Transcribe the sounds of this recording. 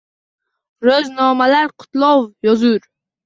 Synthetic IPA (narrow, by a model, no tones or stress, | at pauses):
ɾɵznɒmalaɾqʰʊ̥t̪lˠɒwjɒzuɾ